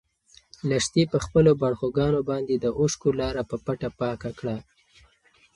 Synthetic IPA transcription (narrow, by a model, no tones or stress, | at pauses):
laʂt̪epəxpəlobaɽxoɡɑnobɑnd̪ed̪əʔoʃkolɑɾapəpaʈapɑkakɽa